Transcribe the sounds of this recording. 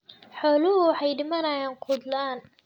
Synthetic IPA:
ħɔːlʊɦʊħɑjɖɪmɐnɐjaːnqʰʊd̪laːn

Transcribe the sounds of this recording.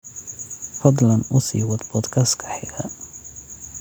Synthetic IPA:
fɐd̪lɐnʔʊsḭːwɐd̪bɔd̪kʰɐskʰɐ̥ħɪɡɐ

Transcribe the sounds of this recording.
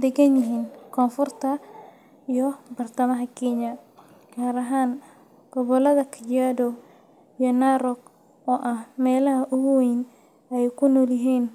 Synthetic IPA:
d̪ɛɡɐnjɪɦiːnkʰɔːnfʊrt̪ʰɐ | ijɔbɐrt̪ʰɐmɐɦɐkʰɛɲɐ | kʰaːɾɐɦaːn | ɡ̥ɔβɔlɐðɐkʰɐt͡ʃaːdɔ | ijɔnaɾɔɡ | ɔːʔɐhmɛːlɐɦɐʔʊɣʊwejn | ɛjkʰʊnɔːljɪɦiːn

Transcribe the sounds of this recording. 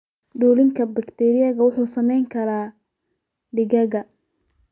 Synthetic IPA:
ɖuːlɪŋkʰɐbɐkt̪ʰɛɾɪjɐɣɐwʊħuːsɐmɛjŋkʰɐɾaː | ɖɪɣɐɣɐ

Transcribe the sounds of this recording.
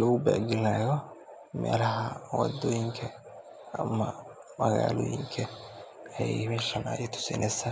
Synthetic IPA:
lɔɣʊbɛɡɪlaːjɔ | mɛːlɐɦɐwɑ̰d̪ɔːjɪŋkʰɐ | ɐmɐ | mɐɣaːlɔːjɪŋkʰɐɐjɛjmɛːʃɐnɐjɛt̪ʰʊ̥sɪ̰nʔɛsɐ

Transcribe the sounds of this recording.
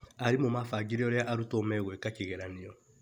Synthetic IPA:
aɾimomafaɡiɾijɔɾɔaʔaɾutomɛɡoekat͡ʃeɡɛɾanijo

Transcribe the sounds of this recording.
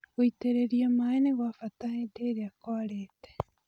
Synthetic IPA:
oiteɾeɾiamaeneɣwafataheteɾeakoaɾeːte̥

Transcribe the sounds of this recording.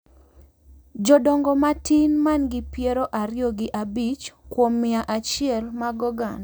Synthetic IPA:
d͡ʒɔdɔŋɡɔmatinmanɡɪpjeɾoʔaɾɪɔɡɪʔabit͡ʃkwomːɪaʔat͡ʃɪɛlmaɡɔɡan

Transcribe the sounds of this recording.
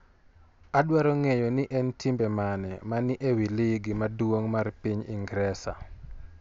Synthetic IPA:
adwaɾɔŋejɔnɪʔɛntimbɛmanɛmanɪʔewilɪɡmadwoŋmarpiɲḭŋɡɾɛsa̰

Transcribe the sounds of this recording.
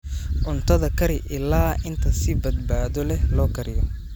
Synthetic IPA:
ʔʊnt̪ʰɐðɐkʰɐɾɪʔɪlaːʔɪnt̪ʰɐsɪbɐd̪baːðɔlɛlɔːkʰɐɾɪjɔ

